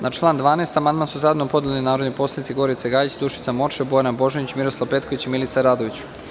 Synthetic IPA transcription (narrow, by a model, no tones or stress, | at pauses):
nat͡ʃlˠaːnd̪ʋaːnest̪amand̪mansuzaed̪nopo̞d̪eleninaːɾod̪nojpo̞slˠanit̪siɡo̞ɾit̪seɡaːjit͡ɕd̪uʃit̪samo̞t͡ʃebo̞janabo̞ʒenit͡ɕmiɾoslˠaʋpet̪koʋit͡ɕimilit̪saɾaːd̪oʋit͡ɕ